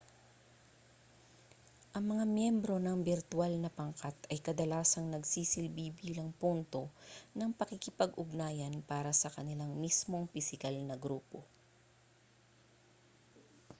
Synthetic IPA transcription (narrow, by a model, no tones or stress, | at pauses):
ʔɐŋmɐŋamjɛmbɾo̞nɐŋbɪɾt̪ualnɐpɐŋkat̪ɐjkɐd̪ɐlaːsɐŋnɐɡsiːsɪlbiːbiːlɐŋpunt̪o̞nɐŋpɐkikɪpɐɡʔʊɡnaːjɐnpaːɾɐsɐkɐnɪlaŋmismo̞ŋpɪsɪkalnɐɡɾuːpo̞